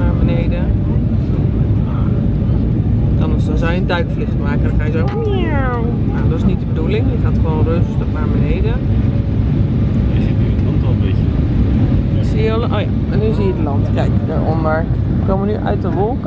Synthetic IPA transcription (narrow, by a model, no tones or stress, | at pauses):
naːɹbənejdə | a | kɑnəsɔnzɛjəndœɥkflɪsmɛkələkɛjəzɛ | ja | jadɔtɪsnit̚dəbədulɪŋətɦatχəʋonrøːvəstɔpnaːɹbənejdə | ɪsitnyətlɑntɔəmbecə | sijəlʔoja̰ | manyzijəətlɑntkɛjkədəɹɔndəɹ | kowmʋənyʔœ̰ɥt̚dəʋɔlˠk